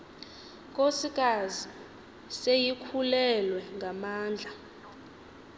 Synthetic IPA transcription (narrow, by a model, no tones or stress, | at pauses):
kʼosikʼazi | sejikʰulɛlwɛŋɡʱamaːnd͡ɮʱa